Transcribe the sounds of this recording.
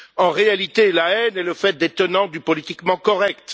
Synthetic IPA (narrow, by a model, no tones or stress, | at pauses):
ɑ̃ʁealit̪elaɛnɛləfɛt̪̚d̪et̪ɔnɑ̃d̪ypɔlit̪ikmɑ̃kɔʁɛkt̪